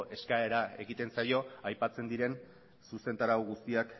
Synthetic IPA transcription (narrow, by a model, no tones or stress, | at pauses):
ʔe̞skae̞ɾae̞ɣit̪e̞nsajo̞ajpat͡se̞nd̪iɾe̞n | suse̞nt̪aɾawɣust̪iak